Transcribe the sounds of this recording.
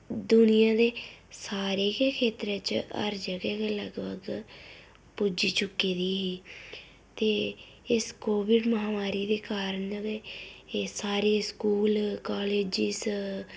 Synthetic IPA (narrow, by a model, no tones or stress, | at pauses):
d̪ʊnɪjãːd̪eːsaːɾeːkekʰeːt̪ɾeːt͡ʃə̰ɾd͡ʒəɡɛːkːləɡbəɡ | pud͡ʒiːt͡ʃʊkːeːd̪iːɦiː | t̪eː | ɪskoːʋɪɖməɦaːmaːɾiːd̪eːkaːɾənd̪eː | saːɾeːskuːlkaːleːd͡ʒɪs